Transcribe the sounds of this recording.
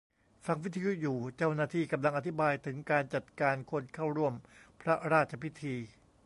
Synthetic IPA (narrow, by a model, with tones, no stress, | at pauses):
fa˧ŋwi˦˥t̪ʰːa˧ju˦˥juː˨˩t͡ɕa˥˩wnaː˧˩t̪ʰiː˥˩ka˧mla˧ŋʔa˧˩t̪ʰi˦˥baː˧jt̪ʰɯ˩˦ŋkaː˧nt͡ɕa˨˩t̪̚kaː˧nkʰo˧˥nkʰa˥˩wɾu˥˩əmpʰɾa˦˥ɾaː˥˩t̪̚t͡ɕʰa˧pʰi˦˥t̪ʰiː˧